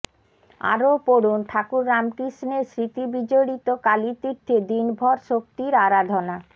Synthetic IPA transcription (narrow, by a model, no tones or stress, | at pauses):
a̰ɾopoɽunʈʰakuɾːamkɾiʃneɾsɾit̪ibid͡ʑoɽit̪okalit̪iɾt̪ʰːed̪inbʱɔɾʃok̚t̪iɾaɾad̪ʱona